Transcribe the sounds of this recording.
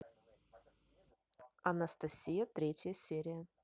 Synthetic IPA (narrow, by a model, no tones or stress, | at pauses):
ɐnɐst̪ɐsʲijɐt̪ɾʲetʲjəsʲeɾʲɪjə